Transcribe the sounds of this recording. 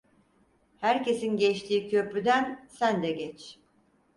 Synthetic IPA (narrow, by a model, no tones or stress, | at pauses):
hæɾce̞sinɟɛt͡ʃt̪ʰiːcʰø̞pɾyd̪ænsænd̪ɛɟɛt͡ʃ